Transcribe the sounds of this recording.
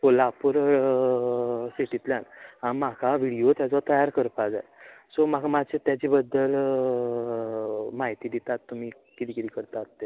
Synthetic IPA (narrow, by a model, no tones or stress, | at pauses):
polapuɾ | siʈit̪ljanaɽimakʰaʋiɽijot̪jat͡sɔt̪əjaɾkəɾpad͡za̰jsomakʰamat͡ɕet̪jat͡ɕibəd̪ːəl | maɦit̪iːd̪it̪at̪ːum̤iː | kit̪iːkit̪ikəɾt̪at̪ːe